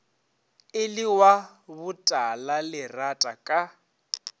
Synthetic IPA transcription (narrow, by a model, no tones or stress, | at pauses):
ɪlɪwa | bʊtʼalalɪratʼakʼa